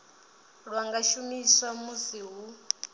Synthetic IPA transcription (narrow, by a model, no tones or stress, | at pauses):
ɺwaŋɡaʃumisamusiɦu